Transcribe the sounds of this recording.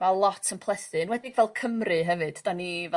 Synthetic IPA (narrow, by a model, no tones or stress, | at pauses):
malˠɔtʰənpʰlˠɛsɨnwɛdɪɡvɛlˠkʰəmrɨɦɛvɨd̥d̥anivɛ